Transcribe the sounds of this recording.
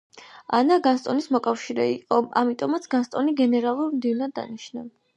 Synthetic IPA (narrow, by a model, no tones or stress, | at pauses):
a̰naɡanst̪ʼɔnismɔkʼafʃiɾɛiqʼɔa̰mit̪ʼɔmat̪sʰɡ̥anst̪ʼɔniɡɛnɛɾalˠuɾmd̪ivnad̪ːa̰niʃna